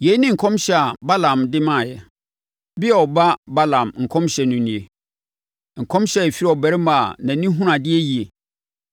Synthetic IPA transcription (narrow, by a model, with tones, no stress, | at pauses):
je˨˦nɪ̃˦ŋ̩˨kʰɔ̃˦mɕɛ˦a˨ba˦lã˨mdɪ˦mã˦˨jɛ˨ | bɪ˦ɛ˦˨ɔ˨ba˦ba˦lã˨mŋ̩˨kʰɔ̃˦mɕɛ˨nʊ̃˨nĩ˨e˨ | ŋ̩˨kʰɔ̃˦mɕɛ˦˨ɛ˨fi˦ɾɔ˨bæ˨˦ɾma˨nã˨nĩ˦ɦũ˦ɾã˨dɪ˦ɛ˦ji˨e˨